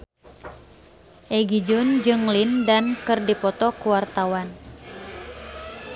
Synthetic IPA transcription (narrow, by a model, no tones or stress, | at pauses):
ʔɛɡid͡ʒʊnd͡ʒɨŋlindankɨrdipɔt̪ɔkuwart̪awan